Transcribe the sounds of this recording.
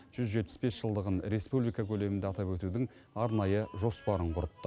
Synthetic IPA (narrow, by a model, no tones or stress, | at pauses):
ʒ̥ʏzʒe̞t̪̚pɪsbe̞sʒ̥əlˠd̪əʁənɾe̞spublˠijkakʲʰɵle̞mɪnd̪eɑt̪ɑpwɵt̪ud̪ɪŋ | ɑɾnɑjəʒo̞spɑɾəɴqʰʊɾət̪ːə